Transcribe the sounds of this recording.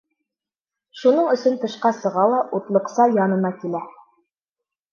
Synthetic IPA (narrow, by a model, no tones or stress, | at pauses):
ʃunɤɴɵ̆sɵnt̪ɤ̆ʃqɑsɤ̆ʁɑlˠɑʔut̪lˠɤ̆qsɑjɑnɤ̆nɑkilæ